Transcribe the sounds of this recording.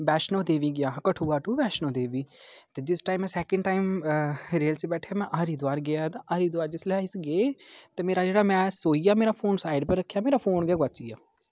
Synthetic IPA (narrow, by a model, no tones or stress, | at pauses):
bɛːʃnoːd̪eːʋiːɡɪjaːkəʈʰuːaːʈuːbɛːʃnoːd̪eːʋiːt̪eːd͡ʒɪsʈaːimːɛ̃ːsɛːkə̃ɳɖʈaːimɾeːlt͡ʃebɛːʈʰaːmɛ̃ːʔaːɾiːd̪ʊaːɾɡɪjaːt̪ãʔaːɾiːd̪ʊwaːɾd͡ʒɪsleaɪsɡeːt̪eːmeːɾaːd͡ʒeːɽaːmɛ̃ːsoːiːjaːmeːɾaːpʰoːnsaːɪɖpəɾːəkʰːjaːmeːɾaːpʰoːnɡaːɡaːt͡ʃijaː